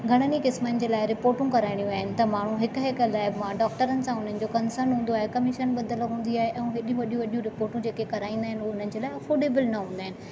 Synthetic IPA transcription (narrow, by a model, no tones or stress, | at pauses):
ɡʱɐɽ̃ənikɪsmənɪ̆d͡ʑeːlaːɪɾɪpoːɾʈũkɐɾaːɪɽ̃ijũaːɦɪnɪ̆t̪ɐmaːɳ̤ũɦɪkɦɪklaːɪbmãɖɔːk̚ʈəɾənɪ̆sãʊn̤ənɪ̆d͡ʑokɐnsəɾnɦũːn̆d̪oaːɦekɐmɪʃənɓɐd̪əloɦũːn̆d̪iaːɦeʔɛ̃ũɦɪɗijũʋɐɗjũʋɐɗijũɾɪpoːɾʈũd͡ʑeːkekɐɾaːĩːnd̪aːɦɪnɪuoʊn̤ənɪ̆d͡ʑeːlaːɪɐfoːɾɖeːbəlnɐɦũːnd̪aːɦɪnɪ̆